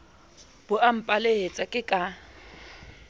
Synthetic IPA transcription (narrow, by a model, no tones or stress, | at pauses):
b̥ʊʔam̩pʼaleɦet͡sʼakʼɪkʼa